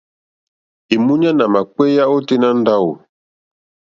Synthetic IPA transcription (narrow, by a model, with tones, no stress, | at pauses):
i˨mu˦ɲa˦na˨ma˨k͡pwe˦ja˦o˦te˦na˦n˦da˦wo̰˨